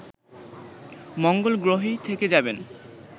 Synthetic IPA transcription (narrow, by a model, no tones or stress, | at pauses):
mɔŋɡolɡɾoɦit̪ʰeked͡ʑaben